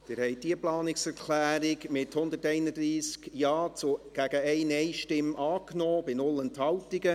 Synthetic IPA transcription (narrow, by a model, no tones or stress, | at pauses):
d̥ɪɾhɛɪd̥iəplɑːnɪksɛɾkʰlæːɾɪɡmɪthʊnd̪ətɛɪnədɾiːskjɑːt͡suɡ̥æɡ̥əɛɪnɛɪʃtɪmʔɑːknɔːb̥ɪnʊlənthɑltiɡə